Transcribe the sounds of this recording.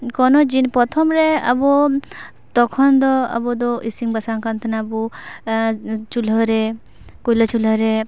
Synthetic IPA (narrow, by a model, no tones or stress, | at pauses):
kɔnɔd͡ʒinpɔt̪ʰɔmɾeɐ̰bɔ | t̪ɔkʰɔnd̪ɔɐ̰bɔd̪ɔʔisiŋbɐsaŋkɐnt̪ʰɐnɐbu | t͡ʃulɔɾe | kulɔt͡ʃulaɾe